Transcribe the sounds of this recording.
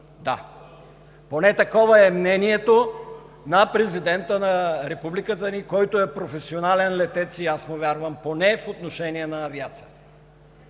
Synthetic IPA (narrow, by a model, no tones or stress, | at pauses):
d̪a̰ | ponɛt̪ɐkɔvəɛmnɛniɛt̪o | nɐpɾɛzid̪ɛnt̪ənɐɾɛpublikət̪ənikɔjt̪oɛpɾofɛsionalɛnlɛt̪ɛt̪siasmovʲjaɾvəmponɛfot̪noʃɛniɛnɐːviat̪sijət̪ə